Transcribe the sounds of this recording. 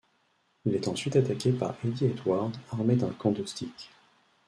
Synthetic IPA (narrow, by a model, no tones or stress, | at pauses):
ilɛt̪ɑ̃sɥit̪at̪akʲepa̰ʁɛd̪iɛt̪waʁd̪aʁmed̪ɛ̃kɑ̃d̪ɔst̪ʰikʲ